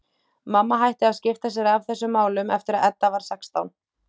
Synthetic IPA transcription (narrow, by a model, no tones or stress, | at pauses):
mamːaɦajht̪ɪaðscɪft̪as̬jɛɾavθɛsːʏmːaːwlʏmɛ̰ft̪ɪɾaðɛt̪ːavaɾ̥sɛkst̪a̰wn